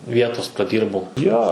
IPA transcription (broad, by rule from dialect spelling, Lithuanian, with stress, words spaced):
ˈʋʲiɛtoːs prɐˈdʲiːrbɐʊ ˈjoː